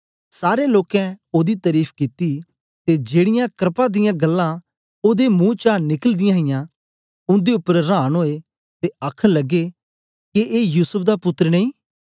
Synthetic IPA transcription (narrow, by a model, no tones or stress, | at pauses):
saːɾeloːkɛ̃oːd̪it̪ɐɾiːpʰkɪt̪i | t̪ed͡ʒeːɽɪjãkɾɪpãd̪ɪjãɡɐlːã | oːd̪emũːt͡ʃanɪkəld̪ɪjãɦɪjã | ʊ̃nd̪eʊpːəɾɾãːnɦoːe | t̪eəkʰələɡːe | keʔeːjuːsəp̚ʰd̪apʊt̪ːəɾnɐ̃ĩː